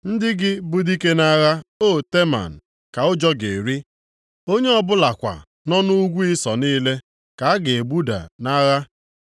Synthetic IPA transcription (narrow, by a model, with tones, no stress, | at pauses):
n̩˦dɪ˦ɡɪ˦bʊ˦di˦ke˦na˦ɣa˦o˦˨te˦ma̰˨n̩˨ | ka˨ʊ˦d͡ʒɔ˦ɡe˨ɾi˦ | o˦ɲe˦ɔ˦bʊ˦la˨kʷa̰˨ | nɔ˦nu˦ɡʷu˦ɪ˦sɔ˨niː˦le˦ | ka˨a˦ɡe˨bu˦da̰˨na˦ɣa˦